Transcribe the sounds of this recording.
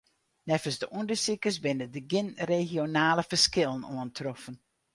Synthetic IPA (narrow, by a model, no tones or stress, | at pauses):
nɛfəsdəʔundəsikəsbɪnədəɡɪnrexjonaːləfərskɪlˠənoəntʰrɔfən